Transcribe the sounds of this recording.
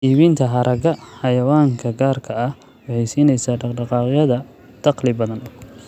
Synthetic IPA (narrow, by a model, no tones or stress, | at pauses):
iːβiːnt̪ʰɐɦɐɾʔɐɣɐħɑjɐwaːŋkʰɐɡaːrkʰɐɐh | wɑħɑjsiːnɛjsaːɖɑɖɑqɑːqɪjɐðɐ | d̪̥ʰɑqlɪbɐðɐn